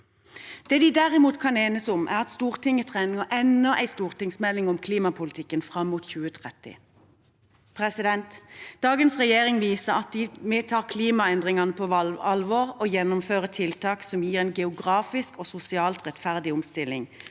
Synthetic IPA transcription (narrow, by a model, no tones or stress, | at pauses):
d̪̥eːd̪ɪd̪æʁɪmuːt̪kʰɑneːnəsɔmʔæ̰ʁɑt̪st̪uːʁt̪ɪŋət̪ʰʁɛːnɪŋəʔɛnəʔæ̰ɪst̪uːʁt̪ɪŋsmɛlːɪŋɔmkʰliːmɑpʰʊlɪt̪ʰɪkːənfʁɑmːuːt̪çʉːət̪ʰʁɛt̪ɪ̰ | pʰʁɛsɪd̪ɛnt̪d̪̥ɑːɡənsʁɛjeːʁɪŋʋiːsəʁɑt̪̚d̪ɪmeːt̪ʰɑːʁkʰliːmɑɛnd̪ʁɪŋɑnəpʰoɑɑlʋoːʁojɛnːʊmføːʁət̪ʰɪlt̪ʰɑːksɔmjiːʁɛɪnɡɛʊɡʁɑːfɪskoːsʊsɪɑːlt̪ʁɛt̪fæʁd̪ɪʊmst̪ɪlɪ̰ŋ